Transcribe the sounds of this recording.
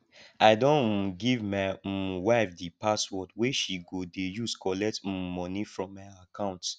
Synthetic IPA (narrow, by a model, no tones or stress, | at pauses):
aɪdõnɡivmaɪwaɪfdipaswɔtweʃiɡodejuskɔlɛk̚t̩mɔnifɹɔ̃mːaɪakãʊ̃nt